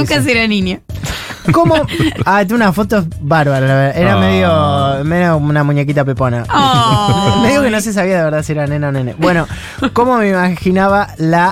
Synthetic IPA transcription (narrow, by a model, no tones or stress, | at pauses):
kas̬eɾaninjo | komoat̪̬eunafo̞t̪osβaɾβaɾalaβeɾðaʔeɾameðjomeaunamuɲek̬it̪ap̬epona | meðjokenos̬es̬aβiaðeβeɾðasieɾanenanẽnebweno̞ | ko̞momeimaxinaβala